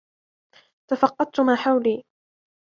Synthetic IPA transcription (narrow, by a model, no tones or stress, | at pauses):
t̪afɑqːɑd̪̚t̪ʊmaːħawliː